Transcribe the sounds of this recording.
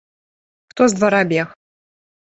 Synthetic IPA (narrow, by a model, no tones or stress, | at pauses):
kt̪ozd̪vɐɾabʲex